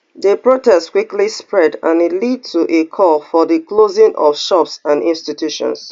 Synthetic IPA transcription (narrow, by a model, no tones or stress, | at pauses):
ðepɹotɛstkwiklispɹɛdãnitlid̚tʰuʔekʰɔlfɔðəklozɪ̃ŋʔɔfʃɔpsãnĩnstitʰjuʃɔ̰̃ns